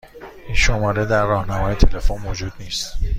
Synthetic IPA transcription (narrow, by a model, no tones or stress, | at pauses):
ʔinʃo̞mɒːɾe̞d̪æɾːɒːhnæmɒːje̞t̪ʰe̞le̞fonmod͡ʒuːd̪niːst̪